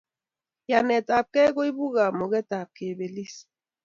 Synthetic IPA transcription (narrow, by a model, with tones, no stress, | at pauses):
ja˨nɛ˨ta˨p̚kɛ˦ɡo˦i˦bu˦ɣa˨mo˨ɣɛ˦ta˨p̚ke˨be˨li˦s